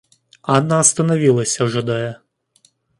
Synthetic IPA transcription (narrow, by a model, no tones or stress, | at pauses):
ɑnːɐːst̪ɐnɔʋʲilˠɐsʲɐʒɔd̪ɛjɛ